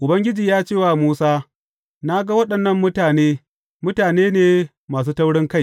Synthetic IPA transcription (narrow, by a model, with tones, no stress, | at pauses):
ʔʊ˨bɐ˦ŋɡʲɪ˦d͡ʒiː˨jaː˦t͡ʃeː˦˨waː˨muː˦saː˦ | na˦ɡa˦wɐ˦ɗɐ˨nːɐ˦mːʊ˦taː˨neː˦ | mʊ˦taː˨neː˦neː˨ | maː˨s̬uː˦ta˦wɽɪ˦ŋka˦j